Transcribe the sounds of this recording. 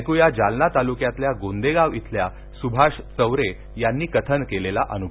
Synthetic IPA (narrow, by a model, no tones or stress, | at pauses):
kujad͡ʑalnat̪alukjat̪ljaɡond̪eɡaʋit̪ʰlja | subʱaɕt͡səwɾe | janːiːkət̪ʰənkelelaʔənubʱ